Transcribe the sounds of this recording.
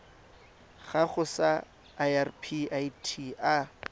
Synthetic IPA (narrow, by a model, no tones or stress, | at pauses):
ɣaχʊsaː | jarpʰiaitʰia